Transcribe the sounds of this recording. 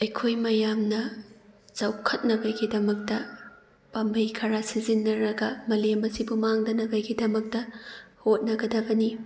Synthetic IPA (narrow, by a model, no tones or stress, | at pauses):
ɐjkʰojmɐjamnɐ | zawkʰɐt̚nɐbɐɡidɐmɐk̚tɐ | pɐmbʱɐjkʰɐɾasizinːɐɾɐɡɐmɐlemɐsibumaŋdɐnɐbɐɡidɐmɐk̚tɐhot̚nɐɡɐdɐbɐni